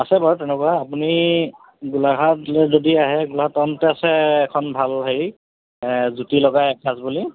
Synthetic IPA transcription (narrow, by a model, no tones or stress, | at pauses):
asɛbaɹtɛnɛkwaapuni | ɡulaɡʱatɛzodiaɦɛɡulaɡatːɔntɛasɛːkʰɔnbʱalɦej | zutilɔɡajɛkʰasbuli